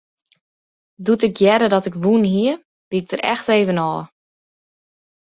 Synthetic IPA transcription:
dutɪkjɛdədɔtɪkʋunɦiə | b̥iɪk̚d̥əɾɛ̰xteːvənɔː

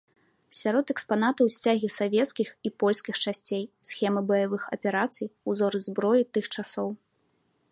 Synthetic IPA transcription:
sʲaɾɔt̪ɛkspanat̪ɐwsʲt͡sʲaɣʲisavʲɛt̪skʲixipɔlʲskʲixt͡ʂasʲt͡sʲejsxʲɛmɨbɐjavɨxɐ̰pʲɛɾat̪sɨjuzɔɾɨzbɾɔjit̪ɨxt͡ʂasɔw

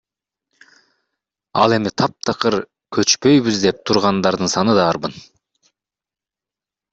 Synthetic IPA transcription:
ɑ̰lˠe̞mit̪ʰɑp̚t̪ʰɑqɯɾ | kʰø̞t͡ʃpø̞jβyzd̪e̞p̚t̪ʰuɾʁɑnd̪ɑɾd̪ɯnsɑnɯd̪ɑːɾbɯn

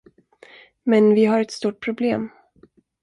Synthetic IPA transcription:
mɛnvɪɦaɾɛt̪st̪uːʈ̚pʰɾʊbleːm

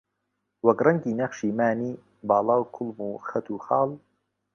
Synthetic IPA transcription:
wɐkrɐŋɡiːnɐχʃiːmaːniː | bɑːlɑːwkʰʊlˠmuːxɐt̪ʰuːxɑːlˠ

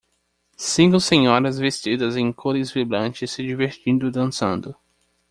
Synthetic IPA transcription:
sĩŋkʊsẽɲɔɾɐzvest͡ʃid̪ɐzẽj̃kʰoɾɪzviblɐ̃nt͡ʃɪsːɪd͡ʒiveɾt͡ʃĩnd̪ʊd̪ɐ̃nsɐ̰̃nd̪ʊ

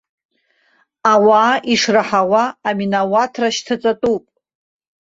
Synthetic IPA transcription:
awaːʔiʂraħawaːminawatʰraʃtʰat͡sʼatʼupʼ

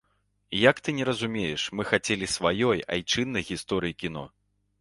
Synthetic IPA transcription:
jakt̪ɨnʲɛɾɐzumʲejɛʂmɨxat͡sʲelʲisvajɔja̰jt͡ʂɨnːɐjɣʲist̪ɔɾɨjikʲin̪ɔ̰

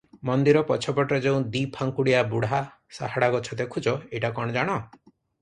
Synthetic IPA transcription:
mɔnd̪iɾɔpɔt͡ʃʰɔpɔʈɔd͡ʒeũd̪ipʰaŋkuɽiabuɽa | sa̰ɦaɽaɡɔt͡ʃʰɔd̪ekʰud͡ʒɔeʈakɔɽ̃ɔd͡ʒaɽ̃ɔ

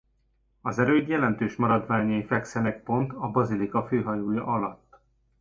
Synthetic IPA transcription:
ɒzɛɾøːd̪jɛlɛnt̪øːʃmɒɾɒd̪ʋaːɲɒjifɛksɛnɛk̚po̞nt̪ɒbɒzilikɒføːɦɒjoːjɒʔɒlɒt̪ː

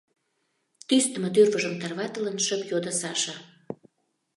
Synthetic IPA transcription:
t̪yst̪ə̆mɤ̆t̪ørβəʒəmt̪ɑrβɑt̪ə̆lə̆nʃə̆pjod̪əsɑʃə̆

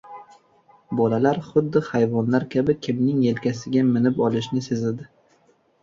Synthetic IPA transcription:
bɒlalaɾχʊd̪ːɪhajvɒnlaɾkʲʰabɪkʲʰɪmnɪŋe̞lkʲʰasɪɡʲamɪnɪpɒlˠɪʃnɪsezad̪ɪ

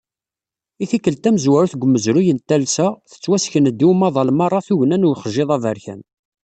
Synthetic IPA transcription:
iθikːəlt̪æməzwæɾuθɡʷəmːəzɾujənt̪ælsæθə̥t͡sːwæsçənəd̪ːiwumɑðˤɑlmɑrˤːɑθuʝnænʊɾχəʒːeðˤɑvəɾçæ̰n

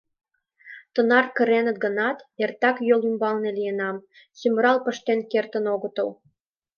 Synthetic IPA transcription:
t̪ə̆nɑrkə̆ɾenə̆t̪̚ɡə̆nɑt̪ert̪ɑkjolymbɑlnelijə̆nɑm | symrɑlpə̆ʃt̪enkert̪ə̆noɣə̆t̪ə̆l

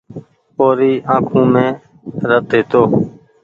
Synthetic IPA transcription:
oːɾiːãːkʰũːmẽː | ɾət̪̚eːt̪oː

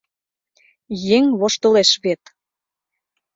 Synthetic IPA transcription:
jeŋβoʃt̪ŏleʃβet̪

